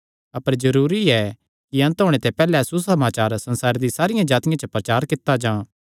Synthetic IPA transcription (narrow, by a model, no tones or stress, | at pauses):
ɐpəɾd͡ʒɐɾuːɾiɛ | kiɐ̃nt̪ɦoːɽ̃et̪ɛpɛːlɛsusɐmaːt͡ʃaːɾsɐ̃nsaːɾd̪isaːɾɪjãd͡ʒaːt̪ɪjãt͡ʃəpɾɐt͡ʃaːɾkɪt̪ːad͡ʒãː